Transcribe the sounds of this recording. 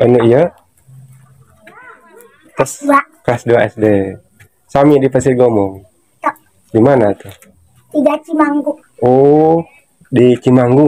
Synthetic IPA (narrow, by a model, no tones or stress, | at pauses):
ənuija | kasa | kasduaʔɛsde | samidipasit̪̚ɡɔmɔŋ | t̪ɔʔ | dimanat̪u | t̪iɡat͡ʃimaŋɡu | o | dit͡ʃimaŋɡu